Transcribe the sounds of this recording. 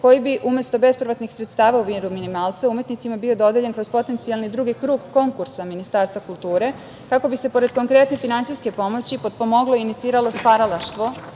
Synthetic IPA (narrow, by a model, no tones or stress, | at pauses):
ko̞jibiʔumjest̪o̞be̞spɾiʋat̪nixsɾet̪st̪aːʋauʋinɾuminimalˠt̪saumje̞t̪nit̪simabio̞d̪o̞d̪jeʎeŋkɾo̞zpo̞t̪e̞nt̪sialˠnid̪ɾuːɡikɾuːɡko̞ŋkuɾsaminist̪aːɾst̪ʋakulˠt̪uːɾe̞ | kako̞bise̞po̞ɾe̞d̪̚ko̞ŋkɾe̞t̪nefinant̪siske̞po̞mo̞t͡ɕipo̞d̪̚po̞mo̞ɡlo̞init̪siːɾalo̞spaɾalaʃt̪ʋo̞